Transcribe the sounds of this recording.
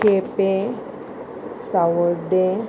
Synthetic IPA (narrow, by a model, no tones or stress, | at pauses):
epe | sawəɖe